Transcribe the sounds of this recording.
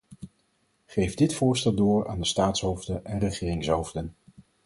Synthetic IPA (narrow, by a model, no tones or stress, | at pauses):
χejvdɪtfʊːɹstɛlˠdʊːɹa̰ːndəstaːtsɦowvdənʔɛnrəχɪːrɪŋsɦowvdən